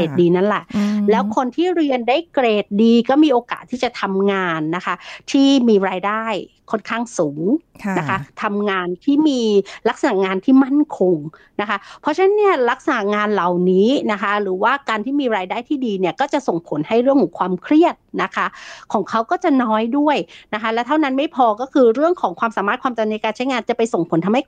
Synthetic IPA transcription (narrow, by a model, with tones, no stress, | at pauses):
eː˨˩t̪̚diː˧na˦˥˩nlɛ˨˩ʔlɛː˦˥wkʰo˧nt̪ʰiː˥˩ɾi˧ənda˥˩jkɾeː˨˩t̪̚diː˧kɔː˥˩miː˧ʔoː˧ka̰ː˨˩t̪ʰːiː˥˩t͡ɕa˨˩t̪ʰa˧mŋaː˧nːa˦˥kʰa˦˥t̪ʰiː˥˩miː˧ɾaː˧jdaː˥˩j | kʰo˥˩nkʰaː˥˩ŋsuː˩˦ŋna˦˥kʰa˦˥t̪ʰa˧mŋaː˧nt̪ʰiː˥˩miː˧la˦˥k̚sa˧na˨˩ŋaː˧nt̪ʰiː˥˩ma˥˩nkʰo˧ŋ | na˦˥kʰa˦˥pʰɔ˧˦˥t͡ɕʰa˦na˦˥nːi˥˩ɐla˦˥k̚sa˧na˨˩ŋaː˧nla˨˩wniː˦˥na˦˥kʰa˦˥ɾɯː˩˦waː˥˩kaː˧nt̪ʰiː˥˩miː˧ɾaː˧jdaː˥˩jt̪ʰiː˥˩diː˧ni˥˩ɐkɔː˥˩t͡ɕa˨˩so˨˩ŋpʰo˩˦nha˥˩jɾɯ˥˩əŋkʰɔː˩˦ŋkʰwaː˧mkʰɾi˥˩ət̪̚na˦˥kʰa˦˥kʰɔː˩˦ŋkʰa˦˥wkɔː˥˩t͡ɕa˨˩nɔː˦˥jdu˥˩əjna˦˥kʰa˦˥lɛ˦˥wt̪ʰa˥˩wna˦˥nma˥˩jpʰɔː˧kɔː˥˩kʰɯː˧ɾɯ˥˩əŋkʰɔː˩˦ŋkwaː˧msaː˨˦ma˥˩t̚kʰwaː˧mt͡ɕa˧na˧jkaː˧nt͡ɕʰa˦˥jŋaː˧nt͡ɕa˨˩pa˧jso˨˩ŋpʰo˨˩˦nt̪ʰa˧mha˥˩